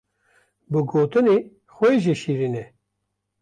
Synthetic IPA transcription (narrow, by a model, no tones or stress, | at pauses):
bɨɡoːt̪ɨne | xʷɛeʒeʃiɾinɛ